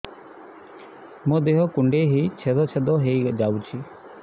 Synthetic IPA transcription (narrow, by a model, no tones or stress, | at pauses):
mõd̪eɦɔkuɳɖeɦit͡ʃʰed̪ɔt͡ʃʰed̪ɔɦejd͡ʒawt͡ʃʰi